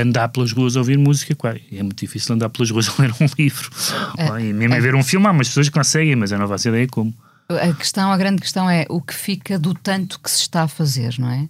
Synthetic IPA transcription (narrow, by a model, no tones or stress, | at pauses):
ɐ̃nd̪aɾplˠɐʒʁuɐzoviɾmuzikɐkwaziɛmũt̪uðifisilˠɐ̃nd̪aɾplˠɐʒʁuɐʃolˠẽɾũlˠivɾuõimimɐ̃veɾũfilˠmaumɐʃpsoɐʃkõsɛɣɐ̃j̃mɐzewnɐ̃vaseiðɐjɐkomu | ɐkɨ̥ʃt̪ɐ̃w̃ɐɣɾɐ̃nd̪̚kɨʃt̪ɐ̃w̃ɛʔukɨ̥fikɐðut̪ɐ̃nt̪u̥kɨ̥sɨ̥ʃt̪aɐfɐzeɾnɐ̃w̃ɛ